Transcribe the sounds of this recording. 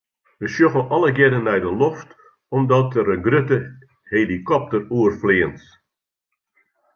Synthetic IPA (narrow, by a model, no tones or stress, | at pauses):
ʋəʃjoɣəʔɔləɡɛdənːɛjdəlɔft | ɔmdɔtəɾəɡrøtə | helikɔp̚təruərflɪəns